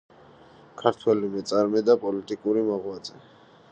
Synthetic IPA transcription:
kʰaɾt̪ʰwɛlimɛt̪sʼaɾmɛd̪apʼɔlit̪ʼikʼuɾimɔʁwad̪zʼɛ

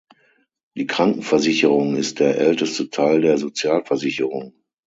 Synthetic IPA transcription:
d̥iːkʁ̥aŋkŋ̩fɛɐzɪçəʁʊŋɪst̚d̥eːɐʔɛltəstətʰaɪldeːɐzot͡sjaːlfɛɐzɪçəʁʊŋ

